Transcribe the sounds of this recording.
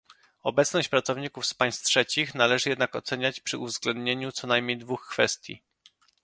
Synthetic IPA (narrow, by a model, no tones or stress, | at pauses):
ɔbɛt̪snɔɕt͡ɕpɾat̪sɔvɲikufspaj̃st̪̚tʂɛt͡ɕixnalɛʐɘjɛd̪nakɔt̪sɛɲat͡ɕpʂɘʔuvzɡlɛnd̪ɲeɲut̪sɔnajmʲɲejd̪vuxkfɛ̰st̪ʲjḭ